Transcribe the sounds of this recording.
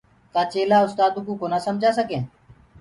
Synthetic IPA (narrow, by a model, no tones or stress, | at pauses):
k̪aːt͡ʃeːlaːʊst̪aːd̪ũːkũːkoːnaːsəmd͡ʒaːsəkẽː